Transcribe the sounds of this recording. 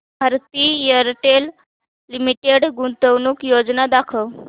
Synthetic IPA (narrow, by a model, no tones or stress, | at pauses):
bʱəɾt̪iːjəɾʈelː | imiʈeɽɡunt̪əʋnuːkjod͡znad̪akʰəw